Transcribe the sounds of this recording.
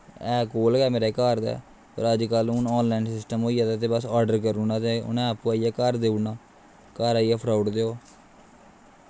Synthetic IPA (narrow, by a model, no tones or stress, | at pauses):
ɛːkoːlɡɛːmeːɾeːkaːɾd̪ɛ̰ː | pə̰ɾəd͡ʒkəlʊnɔːnlaːɪnsɪsʈəmɦoːijaːt̪ɛt̪eːbəsaːɖəɾkəɾuːnãːt̪eːʊ̰nɛ̃ːapːũːaːiɛːkaːɾd̪eːunaː | kaːɾaːiɛːpʰɾaːʊɖd̪eoː